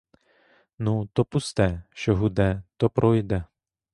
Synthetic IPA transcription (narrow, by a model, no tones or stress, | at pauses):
nut̪ɔpust̪ɛʃt͡ʃɔɦud̪ɛt̪ɔpɾʔɔjd̪ɛ